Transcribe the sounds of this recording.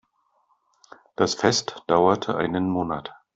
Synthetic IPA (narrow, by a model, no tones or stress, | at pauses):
d̥asfɛstd̥aʊɐtʰəʔa̰ɪnənmoːnat